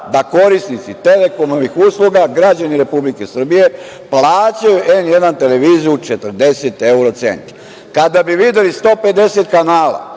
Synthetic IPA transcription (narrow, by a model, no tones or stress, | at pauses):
d̪ako̞ɾisnit̪sit̪e̞le̞ko̞moʋixuːslˠuɡaɡɾad͡ʑaniɾe̞publikesr̩bije̞ | plaːt͡ɕajuʔenje̞d̪ant̪e̞le̞ʋiːzijut͡ʃet̪r̩d̪e̞set̪euɾo̞t̪sḛnt̪ | kad̪abiʋid̪e̞list̪o̞ːpe̞d̪e̞set̪kanaːla̰